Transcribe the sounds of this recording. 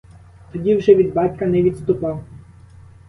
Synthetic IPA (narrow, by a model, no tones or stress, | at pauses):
t̪ɔdʲiwʒɛʋʲid̪bɑtʲkɐnɛʋʲit̪st̪ʊpˠɑw